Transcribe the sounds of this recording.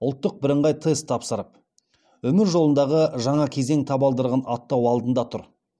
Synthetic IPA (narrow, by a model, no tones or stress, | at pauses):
ʊlˠt̪ːəq̚bɪɾəɴʁɑjt̪ʰest̪ʰɑpsəɾəp̚ | wɵmɪɾʒo̞lˠənd̪ɑʁəʒɑɴɑkʲʰe̞ze̞ŋt̪ʰɑbɑlˠd̪əɾʁɑnɑt̪ːɑwɑlˠd̪ənd̪ɑt̪ʰʊ̰ɾ